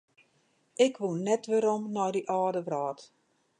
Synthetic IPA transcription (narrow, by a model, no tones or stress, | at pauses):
ʔɪkʋunːɛtʋəɾɔmnɔjdiʔaːdəʋraːt